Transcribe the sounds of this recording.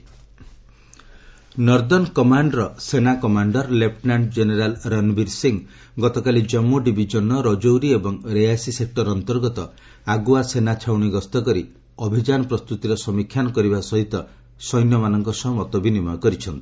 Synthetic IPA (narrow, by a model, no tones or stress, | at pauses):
nɔɾd̪ɔnkɔmaɳɖɾɔsenakɔmaɳɖɔɾlep̚ʈnaɳʈd͡ʒeneɾalɾanbiɾsiŋ | ɡɔt̪ɔkalid͡ʒɔmːuɖibʱid͡ʒɔnɔɾɔd͡ʒowɾiebɔŋɾejasisek̚ʈɔɾɔnt̪ɔɾɡɔt̪ɔ | aɡuasenat͡ʃʰawɽ̃iɡɔst̪ɔkɔɾi | ɔbʱid͡ʒanɔpɾɔst̪ut̪iɾɔsɔmikʰːjanɔkɔɾibasɔɦit̪ɔ | sɔjnjɔmanɔŋkɔsɔɦmɔt̪ɔbʱinimɔjɔkɔɾit͡ʃʰɔnt̪i̥